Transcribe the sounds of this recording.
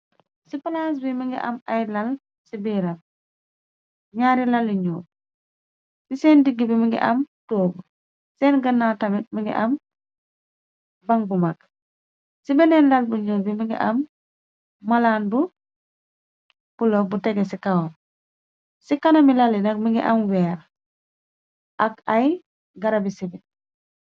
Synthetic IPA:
sipalaːs̬bimiŋɡiʔɐ̰majlɐl | sibiːɾɐm̚ | ɲaːɾilɐliɲuːt̚ | sisɛndiɡːibimiŋɡḭʔɐmtoːbu | sɛːnɡɐnːaːtɐmimiŋɡḭʔɐm | bɐŋbumak̚ | sibɛnɛnlalbuɲuːlbimiŋɡḭʔamː | alaːnbu | pulɔbutɛɡesikawɔn | sikanɐmilalinɐkmiŋɡḭʔamwɛːɾ | ʔakaj | ɡɐɾabisibit

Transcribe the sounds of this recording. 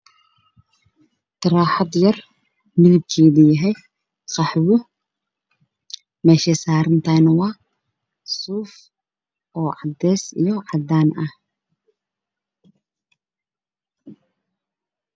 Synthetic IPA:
t̪ʰɐɾaːħɑd̪jɐr | mɪðɪb̚kʰɛːðʊjɐɦɛj | qɑħwʊ | mɛːʃɛsaːɾɪnt̪ʰanɐwɑː | suːf | ʔɔːʕɑd̪ɛːsḭjɔʕɑd̪aːnɐh

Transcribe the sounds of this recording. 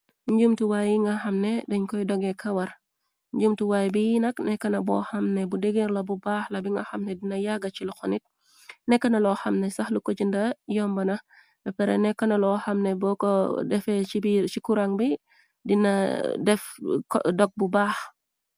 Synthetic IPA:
ɲɟumtuwajiŋɡɐxɐmnɛdɛɲkɔjdɔɡɛkʰɐwɐɾ | ɲɟd͡ʒumtuwaːjbijinɐknɛkːɐnɐbɔhɐmnɛbudɛɡeɾlɐbubaːxlɐbiŋɡɐxɐmnɛdinɐjaɡɐt͡ʃilɔxɔnit̚ | nɛkːɐnɐlɔxɐmnɛsɐxlukot͡ʃindɐjɔmbɐnɐ | bɛpɛɾɛ̰nɛkːɐnɐlɔhɐmnɛbɔkɔdɛfɛt͡ʃibit͡ʃikuɾaŋbi | dinɐdɛfkdɔk̚bubaːx

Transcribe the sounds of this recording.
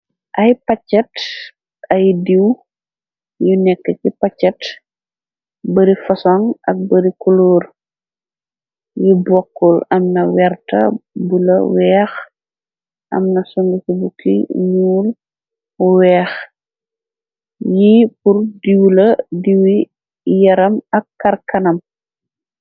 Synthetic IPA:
ʔɐjpɐcːɐt | ɐjdiw | junɛkːəkipɐt͡ʃːɐt | bɐɾifɐsɔŋɐk̚bɐɾikɔloːr | jibɔkːɔlɐmnɐwɛrtɐ̰bulɐ̰wɛːx | ʔɐ̰mnɐsɔŋɡukibukḭɲuːl | uwɛːx | jipurdiwlɐdiwi | jɐɾɐmɐkːɐrkɐnɐm

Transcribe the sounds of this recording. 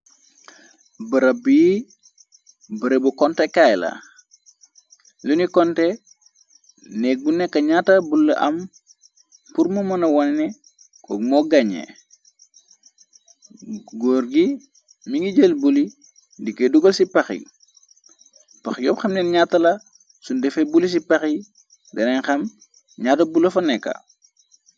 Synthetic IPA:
bɐɾɐbi | bɐɾebukɔntɛkajla̰ | lunikɔntɛ | nɛk̚bunɛkːɐɲaːtːɐbulːɐ̰ʔɐm | puɾmumɐnɐwɐnnɛ | kʰɔ̰ːk̚mɔɡɐɲḛ | ɡoːɾɡi | miŋiɟəlbuli | dikːeduɡɐlsipɐxḭ | pɐxjɔpxɐmnɛnɲatːɐlɐ | sundɛfebulis̬ipɐxi | dɐnɛnxɐm | ɲatɐbulːɐfɐnɛkːɐ̰

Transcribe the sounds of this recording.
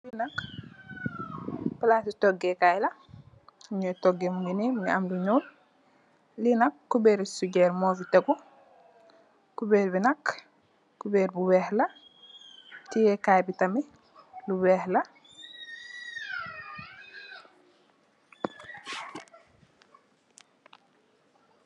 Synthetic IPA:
linɐk | palasitɔɡɛkajlɐ | ɲɔtoɡːemuɡinimamluɲuːl | linɐkːubeːɾisuɟɛːɾmɔːfitɐɡu | kubɛːɾbinɐk | kubɛːɾbuwɛːhlɐ | tijɛkajbitɐmi | luwɛːhlɐ

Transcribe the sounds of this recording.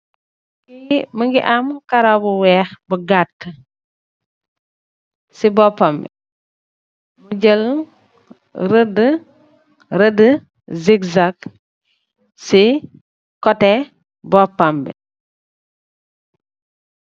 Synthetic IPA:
kiməŋɡiʔamkaɾabuwɛːxbəɡatːə | sibɔpːambɛ̰ | muɟəl | ɾədə | ɾədə | zikzak | si | kɔtɛ | bɔpːambɛ̰

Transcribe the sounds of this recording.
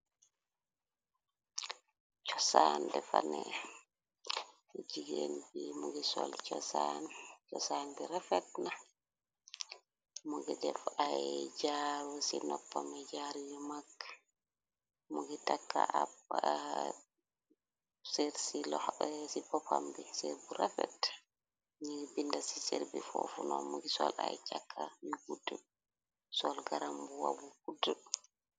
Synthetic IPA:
t͡ʃɔsandɛfanɛ | d͡ʒiɡenbimuɡisɔlt͡ʃɔsant͡ʃɔsanbiɾafɛtna | muɡɛdɛfajd͡ʒawusinɔpːamɛd͡ʒaɾijimakːḁ | mɔɡɛtakːa̰ab | seɾsilɔsibɔpamɡɛsḛɾbuɾafɛ̰t | ɲiɡbindasiseɾbifofunɔmuɡisɔlajt͡ʃakʰːamiɡudu | sɔlɡaɾambuwa̰bukudu

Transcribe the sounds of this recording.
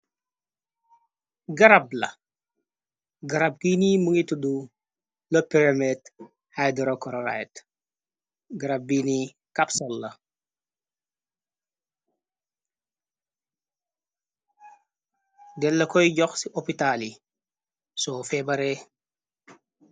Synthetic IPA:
ɡɐɾablɐ̰ | ɡɐɾab̚ɡinimuŋitudu | lɐpiɾamɛt | hajdɔɾokɔɾoɾa̰jt | ɡaɾab̚biːni | kapsolːɐ | dɛlːɐkɔjɟɔxsiʔopitali | sofɛbɐɾe

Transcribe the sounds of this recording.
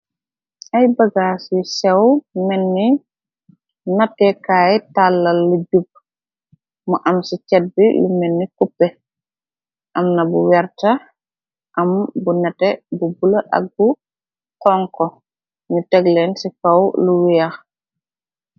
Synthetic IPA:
ʔajbaɡasisɛwmɛnːi | natːɛkajitalːalːud͡ʒub̚ | mɔʔamsit͡ʃɛd̚bilṵmɛnːikupːɛ | ʔamnabuwɛɾta | ʔambunatɛbubulaʔa̰k̚bu | kɔŋkɔ | mitɛɡlɛnsifawluwija

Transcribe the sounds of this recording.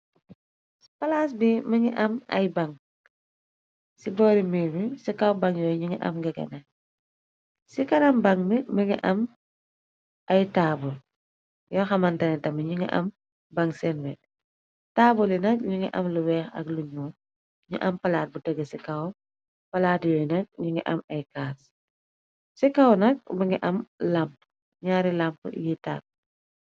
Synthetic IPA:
si̥pɐlaːs̬bimɐŋɛʔɐmɐ̰jbaŋ | sibɔːɾimiːmisikawbaŋjɔːɲuŋɛʔɐ̰mɡɛɡɛ̰na | sikɐnɐmbɐŋmimiŋɛʔɐm | ɐjtaːbul | jɔxɐmɐntɐnɛtɐmiɲuŋɛ̰ʔɐ̰m | baŋsɛnwɛ | taːbulinɐk̚ɲuŋɛ̰ʔɐ̰mluwɛːxɐ̰kluɲuː | ɲṵʔɐmpɐlaːt̚butɛɡːɛsikaw | pɐlaːtijɔnɐk̚ɲuŋɡɛʔɐmɐjkaːs | sikawnɐk̚biŋɛʔɐmlamp | ɲaːɾilampjita̰ːk̚

